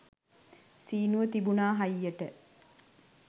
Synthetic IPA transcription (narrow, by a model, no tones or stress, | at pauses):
siːnuʋət̪ibunaːɦɐjːɐʈə